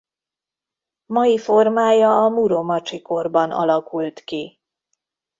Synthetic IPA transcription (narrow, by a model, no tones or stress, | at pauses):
mɒjifo̞rmaːjɒːmuɾomɒt͡ʃiko̞rbɒnɒ̰lɒkult̪ki